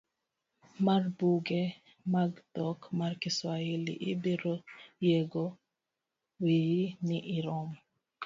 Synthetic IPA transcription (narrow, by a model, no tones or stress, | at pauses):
marbuɡɛ | maɡd̪ɔkmarkiswailḭʔibiɾɔjeɡɔ | wijiniʔiɾɔm